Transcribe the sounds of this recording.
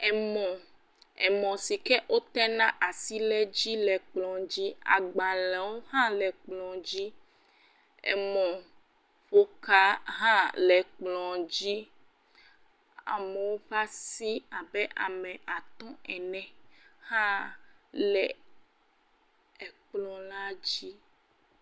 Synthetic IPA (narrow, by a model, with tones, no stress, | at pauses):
ɛ˨mɔ̃˨ | ɛ̰˨mɔ̃˨si˨kɛ˦ʔo˦t̪ɛ˦nã˦ʔa˨si˦lɛ˦d͡ʑi˦lɛ˨k͡plɔ̃˨d͡ʑi˦a̰˨ɡ͡bã˨lɛ̃˨wo˦hã˦lɛ˨k͡plɔ̃˨d͡ʑi˦ | ḛ˨mɔ̃˨ | ɸo˦ka˦ɦã˦lɛ˨k͡plɔ̃˨d͡ʑi˦ | a̰˨me˨wo˦ɸa˦si˦a˨bɛ˦ʔa˨mɛ̃˨ʔa˨t̪ɔ̃˦ɛ˨nɛ̃˨hã˦lɛ˨ | k͡plɔ̃˨la˦d͡ʑi˦